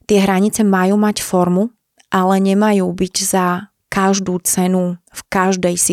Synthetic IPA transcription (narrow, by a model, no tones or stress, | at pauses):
t̪ɪɛɦɾaɲit͡sɛmajuːmacfɔɾmu | ʔalɛɲɛmajuːbiɟza | kaʒd̪uːt͡sɛnufkaʒd̪ɛjsi